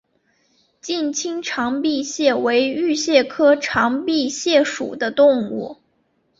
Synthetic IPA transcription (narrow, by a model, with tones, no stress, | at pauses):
t͡ɕi˥˩nt͡ɕʰi˥ŋʈ͡ʂʰɑ˧˥ŋpi˥˧ɕjɛ˥˩we˧˥ɪy˥˧ɕjɛ˥˩kʰɤ˥ʈ͡ʂʰɑ˧˥ŋpi˥˧ɕjɛ˥˩ʂṵ˨˩d̪ə˦t̪ʊ˥˧ŋu˥˩